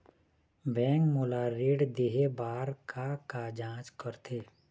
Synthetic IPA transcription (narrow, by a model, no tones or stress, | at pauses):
bɛ̃ːŋkmolaːɾeːɖd̪eɦebaːɾkakad͡ʒãːt͡ʃkəɾt̪ʰeː